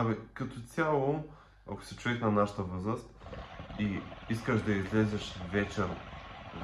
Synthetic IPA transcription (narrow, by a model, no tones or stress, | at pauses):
bɛkɐt̪osʲjalˠo | a̰ko̥sɛt͡ʃʊvɛxnɐnaʃə̥t̪əvɤzɾəst̪̚iiskəʃd̪ɐizlɛzɛʃvɛt͡ʃɛɾ